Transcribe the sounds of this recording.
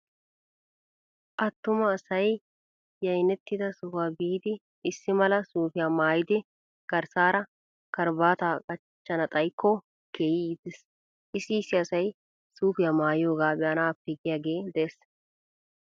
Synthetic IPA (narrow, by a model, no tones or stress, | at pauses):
ʔɐt̪ːʊmɐːsɐj | jɐjnɛt̪ːɪd̪ɐsʊfaːbiːd̪ɪ | ɪsːɪmɐlɐsuːfɪjaːmaːjɪd̪ɪ | ɡ̥ɐɾsaːɾɐ | kɐɾbaːt̪aːkʼɐ | t͡ʃːɐnɐt̪ʼɐjkːɔ | keːjiɪd̪ɛs | ʔɪsːɪːsːɪɐsɐj | suːfɪjaːmaːjɪjo̞ːɡaːbɛɐnaːpːɪɡɪjaːɡe̞ːd̪ɛes